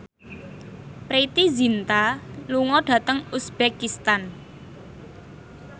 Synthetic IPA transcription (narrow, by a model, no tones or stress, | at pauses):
pɾet̪izint̪aluŋɔɖ̥ä̤t̪əŋusb̥ekist̪an